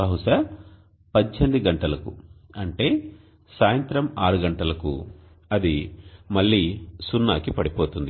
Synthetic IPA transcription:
ɐɦuʂɐ | pɐdt͡ʃɐnd̪iɡɐɳʈɐlɐkṵɐɳʈe̞ː | saːjɐnt̪ɾɐmaːɾuɡɐɳʈɐlɐkṵ | ɐd̪imɐɭːiːsunːaːkipɐɽipo̞ːt̪und̪i

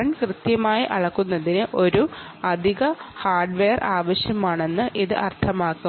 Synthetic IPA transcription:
ɐɳkrɨt̪jɐmaːjiʔɐɭɐkːunːɐðinɨʔo̞ɾu | ɐd̪ʱiɣɐhaːrɖʋeːɐrʔaːʋɐɕjɐmaːɳe̞nːɨʔiðɨʔɐrt̪ʰɐmaːkːu

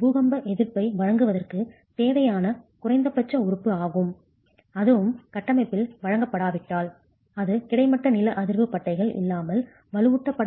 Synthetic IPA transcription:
buːɣɐmbɐʔɛðɪɾpɐɪʋɐɻɐŋɡɯʋɐðɐrkɯ | t̪eːʋɐjaːnɐkʊrɐɪnd̪ɐpːɐt͡ʃːɐʊɾɯpːɯaːɣɯm | ɐðɯʋɯmkɐʈːɐmɐɪpːɪlʋɐɻɐŋɡɐpːɐɽaːʋɪʈːaːl | ɐðɯkɪɽɐɪmɐʈːɐnɪlɐʔɐðɪɾʋɯpɐʈːɐɪɣɐɭʔɪ̰lːaːmɐl | ʋɐlɯʋɯʈːɐpːɐɽ

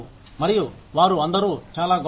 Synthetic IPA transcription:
mɐɾiju | ʋaːɾuɐnd̪ɐɾuːt͡ʃaːlaːɡ

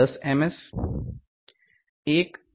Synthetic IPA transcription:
əsemes | eːk

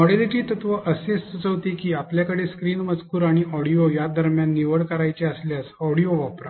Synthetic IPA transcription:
mɔɽeliʈiːt̪ət̪ʋəʔəsessət͡səʋt̪ikiːapljakəɽeskɾiːnmət͡skuːɾaɽ̃iʔɔɽijojad̪əɾmjanːiʋəɽkəɾajt͡ɕeəsljasɔɽijoʋapɾa

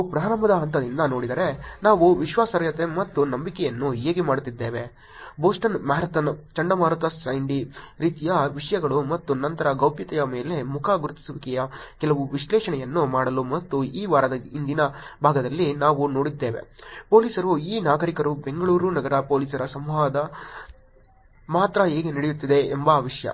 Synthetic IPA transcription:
pɾaːɾɐmɐd̪ɐɦɐnt̪ɐd̪ind̪ɐno̞ːɽid̪ɐɾe̞naːʋuʋiʃʋaːsɐɾjɐt̪emɐt̪ːunɐmbikɛjɐnːuɦeːɡemaːɽut̪ːid̪ːeːʋe | boːsʈɐnmaːɾɐt̪ɐnt͡ʃɐɳɖɐmaːɾut̪ɐsɐjɳɖiɾiːt̪ijɐʋiʂɐjɐɡɐɭumɐt̪ːunɐnt̪ɐɾɐɡɐwpjɐt̪ɐjɐme̞ːle̞mukʰaɡuɾut̪ːi̥sɐʋikɛjɐkɛlɐʋuʋiʂlɛːʂɐɳɛjɐnːumaːɽɐlumɐt̪ːuiːʋaːɾɐd̪ɐind̪inɐbʱaːɡɐd̪ɐlːinaːʋuno̞ːɽid̪ːe̞ːʋe̞̰po̞ːliːsɐɾuiːnaːɡɐɾikɐɾube̞ŋɡɐɭuːɾunɐɡɐɾɐpoːliːsɐɾɐsɐmʋaːd̪ɐ | maːt̪ɾɐɦeːɡeniɽijut̪ːid̪e̞ːmbɐʋiʂjɐ̰

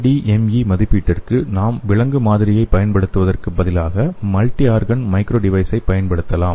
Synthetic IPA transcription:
ɖiːʔɛmimɐðɪpːiːʈːɪrkɯnaːmʋɪɭɐŋɡɯmaːðɪɾɪjɐɪpːɐjɐnpɐɽɯt̪ːɯʋɐðɐrkɯbɐðɪlaːɣɐmɐlʈːiaːɾɣɐnmɐɪkɾoːɖɪʋɐɪsɐɪpɐjɐnpɐɽɯt̪ːɐlaːm

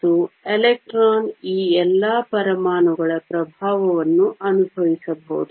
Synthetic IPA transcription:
t̪uelek̚ʈɾaːniːɛlːɐːpɐɾɐmaːnɐɡɐɭɐpɾɐbʱaːʋɐʋɐnːuʔɐnubʱɐʋisɐbo̰ːd̪u

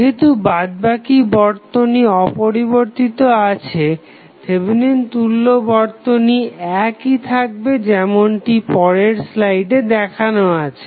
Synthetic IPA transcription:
ɦet̪ubad̪̚bakibɔɾt̪oniɔpoɾiboɾt̪it̪oat͡ɕʰe | t̪ʰebinent̪ulːobɔɾt̪oniɛkit̪ʰak̚bed͡ʑɛmoɳʈipɔɾeɾslajɖed̪ɛkʰanoat͡ɕʰe̥

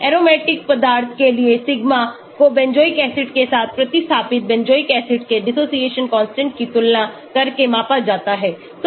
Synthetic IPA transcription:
ɛːɾoːmɛːʈɪk̚pɐd̪aːɾt̪ʰkeliesɪɡma | kobɛ̃ɲd͡ʒoːikɛːsɪʈkesaːt̪ʰpɾɐt̪ɪst̪ʰaːpɪt̪̚bɛ̃ɲd͡ʒoːikɛːsɪʈkeɖɪsoːsieːʃənkɔ̃ːnsʈɛ̃ɳʈkit̪ʊlːa | kɐɾkemãːpad͡ʒaːt̪aɦɛː | t̪

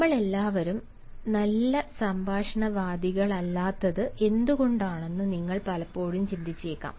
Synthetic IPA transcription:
ɐmːɐɭe̞lːaːʋɐɾum | nɐlːɐsɐmbʱaːʂɐɳɐʋaːd̪iɣɐɭɐlːaːt̪ːɐðɨe̞nd̪uɣo̞ɳɖaːɳe̞nːɨniŋːɐɭpɐlɐpːo̞ːɻumt͡ɕind̪it͡ɕːeːkːa̰ːm

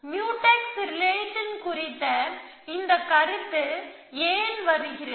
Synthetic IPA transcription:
mjuːʈːɐksɪɾleːʈːɪnkʊrɪt̪ːɐ | ɪnd̪ɐkːɐɾɯt̪ːɯ | eːnʋɐɾɯɣɪɾɐ

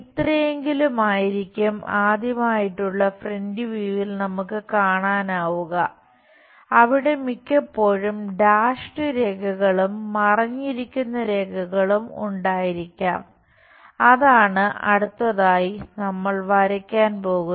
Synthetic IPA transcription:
it̪rɐjeŋɡilumaːjiɾikʲːumaːd̪jɐmaːjiʈːuɭːɐfrendiʋiːʋilnɐmukːɨkaːɳaːnaːʋuɣɐ | ɐʋiɽe̞mikʲːɐpːo̞ːɻumɖaːʂʈɨɾe̞ːkʰɐɣɐɭumːɐrɐɲːiɾikʲːunːɐɾe̞ːkʰɐɣɐɭumṵɳɖaːjiɾikʲːaːm | ɐðaːɳɨʔɐ̰ɽut̪ːɐðaːjinɐmːɐɭʋɐɾɐkʲːaːnpo̞ːɣun

